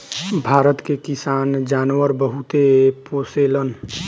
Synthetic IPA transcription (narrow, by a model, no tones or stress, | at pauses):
bʱaːɾət̪kekɪsaːnd͡ʒaːnwəɾbəɦut̪epoːseːlən